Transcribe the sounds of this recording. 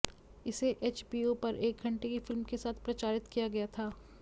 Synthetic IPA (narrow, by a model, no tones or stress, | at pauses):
ɪseʔeːt͡ʃbiːopɐɾʔeːk̚ɡʱɐ̃ɳʈekifɪlmkesaːt̪ʰpɾɐt͡ʃaːɾɪt̪kijaɡɐjat̪ʰaː